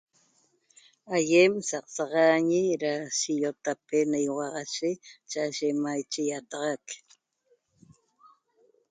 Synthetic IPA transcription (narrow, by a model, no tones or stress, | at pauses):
ajemsɑq̚sɑʁɑɲiɾaʃiʎot̪apenajoʁɑʁɑʃet͡ʃaʔʒeʔmajt͡ʃejat̪ɑʁɑk